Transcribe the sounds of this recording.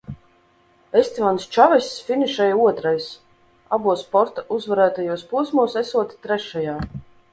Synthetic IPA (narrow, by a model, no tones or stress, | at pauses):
esʲt̪ʲivanst͡ʃavɛssfʲiniʃɛjuɔt̪ɾajs | a̰buɔspɔɾt̪auzvaɾæːt̪ajuɔspuɔsmuɔsɛsuɔt̪ʲi̥t̪ɾɛʃajaː